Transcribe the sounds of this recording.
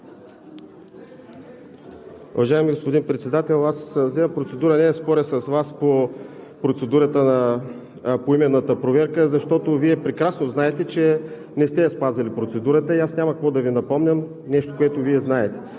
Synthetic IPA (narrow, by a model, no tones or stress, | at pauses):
ʊ̰vɐʒaɛmiɡospod̪inpɾɛt̪sɛd̪at̪ɛlˠaszɛɐmpɾot̪sɛd̪uɾənɛspɔɾɛsəsvaspo | pɾot̪sɛd̪uɾət̪ənɐ | poimɛnːət̪əpɾovɛɾkəzɐʃt̪ɔt̪oviɛpɾɛkɾasnoznaɛt̪ɛt͡ʃɛ | nɛst̪ɛɐspazɐlipɾot̪sɛd̪uɾət̪əiasnʲamɐkɐkvɔd̪ɐvinɐpɔmnʲəm | nɛʃt̪o̥koɛt̪oviɛznaɛt̪ɛ̥